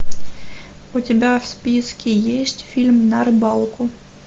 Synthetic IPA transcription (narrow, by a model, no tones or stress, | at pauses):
utʲɪbʲafspʲiskʲijesʲtʲfʲilʲmnɐɾbɑlˠkʊ